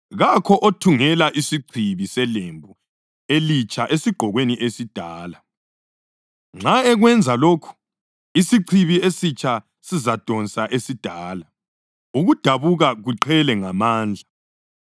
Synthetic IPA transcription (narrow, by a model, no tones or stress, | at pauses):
ɣakʰɔʔotʰuŋɛlaʔisiǀʰiβisɛlembʱu | elit͡ʃʼʰaʔesiɡ͡ǃʱɔɣweniʔesid̥ʱaːla | ŋ͡ǁʱaɛɣwɛnd͡zʱaloːkʰu̥ | isiǀʰiβiesit͡ʃʰʼa | sizad̥ʱɔnt͡sʼaʔesid̥ʱaːla | uɣud̥ʱaβuɣaɣuǃʰɛlɛŋamaːnd͡ɮʱa